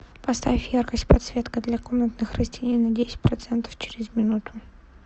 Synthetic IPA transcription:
pɐst̪a̰vʲɪfjarkəsʲtʲpɐt̪svʲe̞t̪kəd̪lʲakomnət̪nɨxrəsʲtʲenʲejnɐdʲesʲɪ̥t̚ʲpɾɐt̪sɛnt̪ə̥ft͡ɕɪɾʲɪzmʲɪnut̪ʊ̥

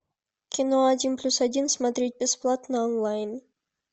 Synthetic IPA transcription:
kʲɪnoadʲinplʲusadʲinsmad̪ɾʲit̪̚ʲbʲɪsplˠat̪nəonlˠajən

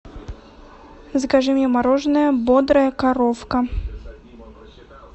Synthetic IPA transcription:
zɡɐʐɨmʲjɛmɐɾoʐnəjəbod̪ɾəjəkɐɾofkɐ

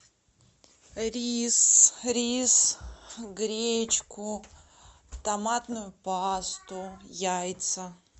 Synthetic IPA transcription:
ɾʲisɾʲis | ɡɾʲet͡ɕkʊ | t̪ɐmat̪nʊjʊpast̪ʊjajt̪sə

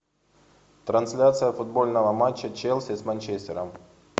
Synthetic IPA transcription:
t̪ɾɐnsʲlʲat̪sɨjəfʊd̪̚bo̞lʲnəvəmat͡ɕːət͡ɕelˠsʲɪsmanʲt͡ɕesʲtʲɪɾəm

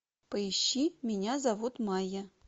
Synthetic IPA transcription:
pəɪɕːimʲɪnʲazavut̪mɑjə

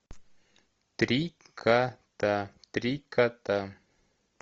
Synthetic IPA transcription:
t̪ɾikʰat̪at̪ɾikat̪a

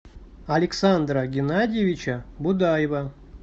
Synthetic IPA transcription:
ɐlʲɪksand̪ɾəɡʲɪnadʲjɪvʲɪt͡ɕɐbʊd̪ajvɐ

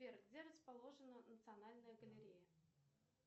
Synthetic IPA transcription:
erɡɡdʲeɾəspɐlˠo̞ʐɨnənət̪sɨɐnalʲnəjəɡəlʲɪɾʲejə

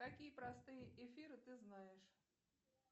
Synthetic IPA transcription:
kɐkʲijəpɾɐst̪ɨjəʔɪfʲiɾɨt̪ɨznajɪʂ

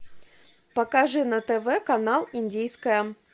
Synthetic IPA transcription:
pəkaʐɨnɐt̪ɛvɛkɐnalˠɪndʲijskəjə

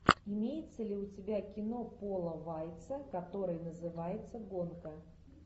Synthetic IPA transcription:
ɪmʲejɪt̪səlʲɪʊtʲɪbʲakʲɪno̞polˠəvajt̪səkɐt̪o̞ɾɨjnəzɨvajɪt̪səɡonkə

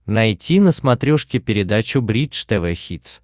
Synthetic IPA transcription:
nɐjtʲinəsmɐt̪ɾʲoʂkʲɪpʲɪɾʲɪd̪at͡ɕʊbɾʲiʂt̪ɛvɛxʲit̪s

